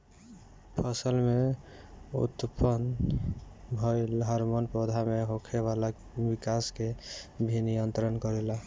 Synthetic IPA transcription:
pʰəsəlme | ṵt̪pən | bʱɔjlɦəɾmɔnpɾod̪ʱameɦokʰebala | bikaskebʱinijənt̪ɾənkɔɾela

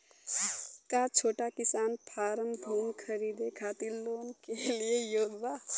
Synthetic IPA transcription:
kat͡ʃʰoːʈakɪsaːnpʰaːɾəmbʱuːmkʰəɾiːd̪ekʰaːt̪iɾloːnkeliejoːɡʋaː

